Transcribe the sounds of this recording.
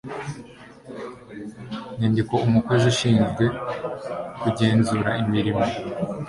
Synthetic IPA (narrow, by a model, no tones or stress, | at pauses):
ɲendiko̞umukwezuʃiːnzɡwe̞ | kuɟeːnzuɾaimiɾimo